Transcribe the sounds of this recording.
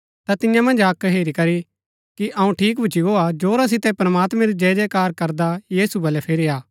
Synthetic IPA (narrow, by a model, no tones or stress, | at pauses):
t̪at̪ɪjãmɐ̃nd͡ʒaːkɦeːɾikɐɾi | kiʔɐũʈʰiːk̬bʱʊt͡ʃiɡoad͡ʒoːɾas̬ɪt̪ɛpɾɐmaːt̪mɛ̃ɾid͡ʒɛːd͡ʒɛkaːɾkɐɾd̪ajiːsubɐlɛpʰeːɾiaː